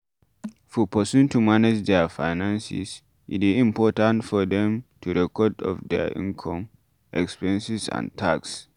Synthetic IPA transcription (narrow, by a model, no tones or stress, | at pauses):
fɔpəsũntumaned͡ʒdɛfajnãnsḭs | ʔitizĩmpɔtãntfɔd̪ɛ̃mtʰuɾɛkɔdɔ̰fd̪ɛ̰ʔḭ̃ŋkʰɔ̃m | ʔɛkspɛ̃nsisã̰ntʰaks